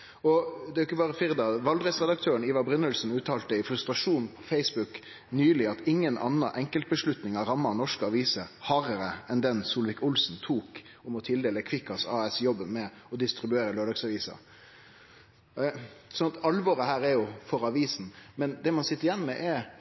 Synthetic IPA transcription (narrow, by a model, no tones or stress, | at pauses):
ɔd̪ɛæɾjɪkːəbɑːɾəfɪɾd̪ɑʋɑld̪ɾɛsʁɛd̪ɑk̚t̪ʰøːɾəɳniːʋɑbɾʏnːəlsn̩ʉːt̪ʰɑːlt̪əɪfɾʉst̪ɾɑʂuːnpʰɔ̥fɛɪsbʉk | nyːlɪɑt̪ɪŋːənʔɑ̰nːɑʔɛŋkəlt̪̚bəʂlʉt̪nɪŋɑɾɑmːɑnɔʂkəɑʋiːsəhɑːɾəɾəɛnd̪ɛnsuːlʋɪkʊlsnt̪ʰuːk | ʊmɔt̪ʰɪld̪eːləkʰʋɪkːɑsɑːɛsjɔbːənmɛ | ɔd̪ɪst̪ɾɪbʉeːɾəløːɖ̪ɑɡsɑʋiːsɑ̰ | sɔnɑt̪ɑlʋɔɾəhæːɾɛɾjʊfɔɾɑʋiːsn̩mɛnd̪ɛmɑnsɪt̪ːəɾjɛnːmɛʔɛ